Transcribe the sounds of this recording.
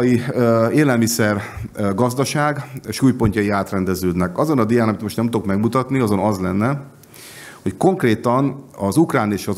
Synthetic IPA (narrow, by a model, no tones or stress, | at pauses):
jiøeːlɛlmisɛrɡɒzd̪ɒʃaːɡʃuːjpo̞ɲcɒjiaːt̪rɛnd̪ɛzøːd̪nɛkɒzo̞nɒd̪ijaːnɒmit̪moʃtnɛmt̪okmɛɡmut̪ɒt̪niɒzo̞nɒzlɛnːɛ | ho̞cko̞ŋkreːt̪ɒnɒzukraːneːʃɒz